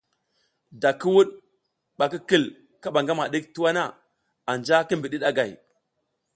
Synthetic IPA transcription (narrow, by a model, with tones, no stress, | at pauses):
da˨ki˦wu˦ɗ | ɓa˨ki˦ki˦˨l | ka˦ɓa˨ŋɡa˦ma˨ɗi˦k̚tu˦wa˦na˦˨ | a˨nd͡ʒa˦ki˦m˨bi˨ɗi˦ɗa˦ɡa˨j